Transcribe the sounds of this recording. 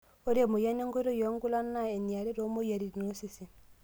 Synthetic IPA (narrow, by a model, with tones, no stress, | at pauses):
o˦ɾa˨mo˨ja˦ne˦ŋɡo˦ɾo˦jo˨˦ŋɡu˦la˦nːa˦e˨ni˨a˨ɾi˦ɾo˦mo˦ja˨ɾi˨no˦si˦˨si˨